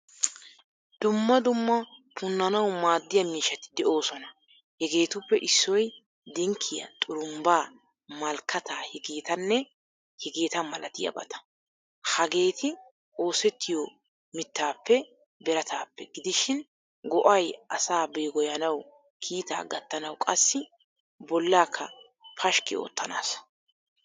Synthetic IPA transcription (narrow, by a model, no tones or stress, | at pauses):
d̪̥ʊmːɐd̪ʊmːɐpʰʊnːɐnɐwmaːd̪ːɪjɐmiːʃɐt̪ɪ̥d̪ɛʔo̞ːsɔnɐ | hɛɡe̞ːt̪ʊpːɛʔɪsːɔj | d̪ɛŋkʰːɪjɐ̰t̪ʼʊɾʊmbaː | mɐlkːɐt̪aːhɛɡeːt̪ɐnːɛ | hɛɡeːt̪ɐmɐlɐt̪ɪjɐ̰bɐ̰t̪ɐ̥ | hɐɡe̞ːt̪ɪ | o̞ːsɛt̪ːɪjo | mɪt̪ːaːpːɛ | bɛɾɐt̪ʰaːpːɛɡɪd̪ɪʃɪn | ɡɔʔɐjɐsaːbɛjɡɔjɐnɐw | kʰiːt̪a̰ːɡɐt̪ːɐnɐwkʼɐsːɪ | bɔlːaːkʰːɐ | pʰɐʃkɪo̰ːt̪ːɐna̰ːs